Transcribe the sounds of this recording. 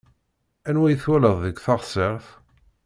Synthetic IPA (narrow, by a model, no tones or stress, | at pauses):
ænwæjəθwæləðˤðəɡθɑʁsˤeʁθ